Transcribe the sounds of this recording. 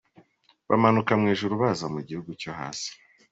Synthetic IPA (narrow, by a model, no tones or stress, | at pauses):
βa̰manukamŋiːʒuɾuβazamuɟihuɡucoɦa̰ːsi̥